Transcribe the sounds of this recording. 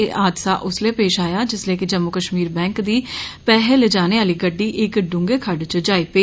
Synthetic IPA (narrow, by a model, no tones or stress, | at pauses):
ʔaːd̪saːʔʊsleːpeːʃaːjaːd͡ʒɪsleːkɪd͡ʒəmːʊkəʃmiːɾbɛ̃ːŋkd̪iːpɛːɦeːled͡ʒaːneːaːliːɡəɖːiːʔɪkɖʊ̃ŋɡeːkʰəɖt͡ʃd͡ʒaːiːpeː